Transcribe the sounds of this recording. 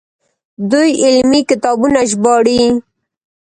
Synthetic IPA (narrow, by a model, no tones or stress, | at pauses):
d̪ujɪlmikɪt̪ɑbunaʒbɑɽi